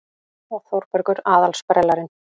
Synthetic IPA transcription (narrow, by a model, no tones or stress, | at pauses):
ɔɣθowɾpœɾkʏɾaːðalspɾɛlaɾɪn